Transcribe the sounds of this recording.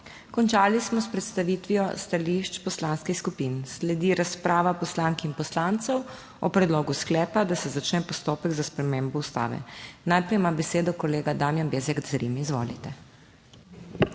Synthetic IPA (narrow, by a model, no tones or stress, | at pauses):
kɔnt͡ʃaːlismɔspɾɛt̪st̪aʋiːt̪ʋijɔst̪aliʃt͡ʃpɔslaːnskixskupinslɛd̪iɾaspɾaːʋapɔslaːŋkinpɔslaːnt̪sɔw | ɔ̰pɾɛd̪loːɡusklɛːpad̪asɛzat͡ʃnɛpɔst̪oːpɛɡzaspɾɛmeːmbɔust̪a̰ːʋɛ̰najpɾɛjmabɛseːd̪ɔkɔleːɡad̪aːmjanbeːzɛɡzɾḭmizʋo̰ːlit̪ɛ